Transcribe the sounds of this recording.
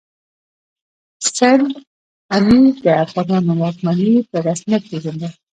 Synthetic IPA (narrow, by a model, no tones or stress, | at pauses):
san | amid̪əafɣɑnɑnonɑkmanipəɾasmijat̪̚peʒand̪a